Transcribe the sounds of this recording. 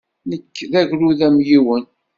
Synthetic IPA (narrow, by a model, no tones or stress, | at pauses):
nəkːðæʝɾuðæmjiwən